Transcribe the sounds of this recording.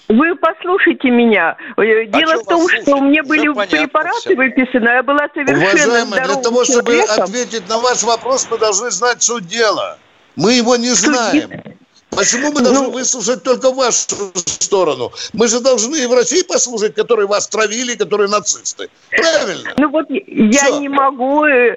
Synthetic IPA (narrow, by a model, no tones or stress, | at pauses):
vɨpɐslˠuʂɨjtʲɪmʲɪnʲadʲelˠəfo̞mʂt̪omʲnʲebɨlʲɪpɾʲɪpɐɾatɨvɨpʲɪsənəjabɨlˠasəvʲɪʊvɐɛʐajɪməjd̪lʲɐt̪ɐvo̞ʂt̪obɨɐt̪vʲet̬ʲɪt̚ʲnɐvaʂvɐpɾo̞smɨd̪ɐlˠʐnɨznat̚ʲsudʲelˠə̰ | mɨjɪvo̞nʲɪzzajɪ̰m | pət͡ɕɪmumɨd̪ɐlnnɨvɨslˠʊʂət̚ʲt̪o̞lʲkəvaʂʊst̪o̞ɾənʊ̰mɨʐɨd̪ɐlˠʐnɨɪvɾɐsʲijpɐslˠuʂət̚ʲkɐt̪o̞ɾɨjəvast̪ɾɐvʲilʲɪːkɐt̪o̞ɾɨjənɐt̪sɨst̪ɨ̰ | pɾavʲɪlʲnə̰nuvot̪jaonʲɪmɐɡu